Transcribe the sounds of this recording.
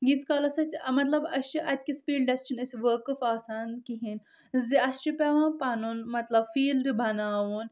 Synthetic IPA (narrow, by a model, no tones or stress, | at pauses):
ɡit̪kaːlɐsɐt͡ʃʲmɐt̪lɐbɐsiʔɐt̪̚ʲkispiːɖɖɐsʈinɐsʲiʋəːkɐfaːsaːnkiɦin | ziɐst͡ʃupɛʋãːpɐnunmɐt̪lɐbfiːlɖbɐnaːʋun